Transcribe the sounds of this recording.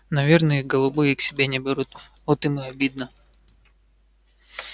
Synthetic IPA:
nɐvʲernəjəɡəlˠʊbɨjəksʲɪbʲenʲɪbʲɪɾut̪̚ | ot̪ɨmɨɐbʲid̪̚nə

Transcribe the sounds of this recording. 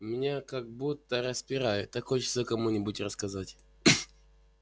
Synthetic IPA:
mʲɪnʲakaɡ̚but̪ːəɾəspʲɪɾajʊt̪ːɐkojət͡ɕɪ̥sokɐmunʲɪbʊtʲrəskɐzatʲ

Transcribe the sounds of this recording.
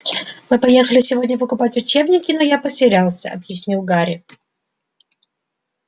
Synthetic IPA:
mɨpɐjexəlʲɪsʲɪvo̞dʲnʲəpəkʊpatʲʊt͡ɕebnʲɪkʲɪnojapəsʲɪɾʲalˠsʲəɐ̰bjɪsʲnʲilˠɡaɾʲɪ

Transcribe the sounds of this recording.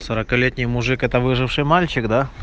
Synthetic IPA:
səɾəkɐlʲet̪ʲnʲɪjmʊʐɨkɛt̪əvɨʐɨfʂɨjmalʲt͡ɕɪkd̪a

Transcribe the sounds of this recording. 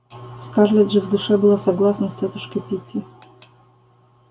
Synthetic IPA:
skarlʲɛdʐɨvd̪ʊʂɛbɨlˠasɐɡlˠasnəsʲtʲet̪ʊʂkəjpʲitʲɪ

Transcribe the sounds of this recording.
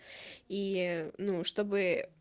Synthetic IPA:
inuʂt̪obɨ

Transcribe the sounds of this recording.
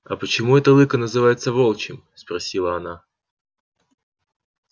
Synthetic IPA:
ɐ̰pət͡ɕɪmuɛt̪əlˠɨkənəzɨvajɪt̪səvolˠt͡ɕɪmspɾɐsʲilˠəɐna

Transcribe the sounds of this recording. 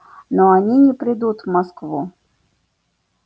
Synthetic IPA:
nɔanʲinʲɛpɾɨd̪ut̪maskvu

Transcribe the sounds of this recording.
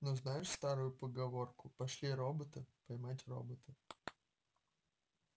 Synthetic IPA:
noznajɪʂst̪aɾʊjʊpəɡɐvo̞rkʊpɐʂlʲiɾobət̪ɨpɐjmatʲro̰bət̪ɨ

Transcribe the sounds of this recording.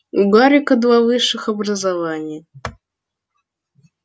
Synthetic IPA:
uɡaɾʲɪkɐd̪vavɨʂːɨxɐbrəzɐvanʲɪjə

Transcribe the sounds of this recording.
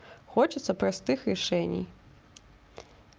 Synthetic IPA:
xɔt͡ʃɨt̪sːɐpɾast̪ɨxrɛʂɛnʲḭj

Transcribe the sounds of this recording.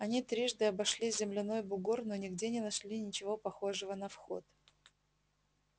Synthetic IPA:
ɐnʲit̪ɾʲiʐd̪ɨɐbɐʂlʲizʲɪmlʲɪno̞jbʊɡurnonʲɪɡdʲenʲɪnɐʂlʲinʲɪt͡ɕɪvo̞pɐxo̞ʐɨvənɐfxo̞̰t̪̚

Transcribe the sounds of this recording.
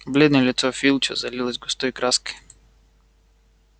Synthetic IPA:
blʲɛd̪nɔlʲit̪sɔfilˠt͡ʃɔzalʲilˠɐzʲɡɔst̪ɔikɾaski̥

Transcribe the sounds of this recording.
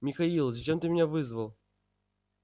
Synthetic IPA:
mʲɪxɐilˠzɐt͡ɕemt̪ɨmʲɪnʲavɨzvəlˠ

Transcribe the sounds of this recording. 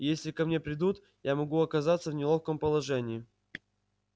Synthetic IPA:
jesʲlʲɪkɐmnʲe̞pɾʲɪd̪ut̪ | jamɐɡuɐkɐzat̪səvnʲɪlˠofkəmpəlˠɐʐɛnʲɪː

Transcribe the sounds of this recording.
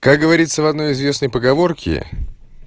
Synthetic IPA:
kakɡəvɐɾʲit̪səvɐd̪no̞jɪzvʲe̞snəjpəɡɐvo̞rkʲɪ̰

